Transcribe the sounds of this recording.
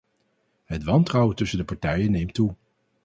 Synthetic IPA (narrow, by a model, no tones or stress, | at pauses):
ɦətʋɑntrɑwtɵsəndəpɑɹtɛjənːejmtu